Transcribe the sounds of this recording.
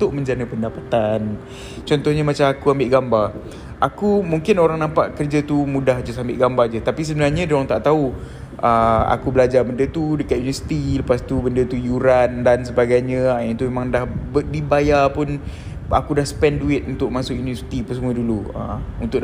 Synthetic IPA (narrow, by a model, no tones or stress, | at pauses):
nt̪ʊʔ̚mə̃ɲd͡ʒanəpəndapat̪an | t͡ʃɔnt̪ɔhɲəmat͡ʃamakuambɪʔɡambar | ʔakumuŋkɪnoɾaŋnampaʔkərd͡ʒat̪umudahd͡ʒasambɪʔɡambard͡ʒət̪apis̬əbənarɲadoaŋt̪aʔt̪au | ʔəa̰kubəlad͡ʒabəndət̪udəkat̪̚junivəsi̥t̪iləpast̪ubəndət̪ujuɾandans̬əbaɡajɲə̃ant̪umemãŋdahbədibajapʊn | a̰kudahsə̥pɛnduɪt̪̚unt̪ʊʔ̚masʊkjunivəsi̥t̪ipəsəmuəduluə̰unt̪ʊʔ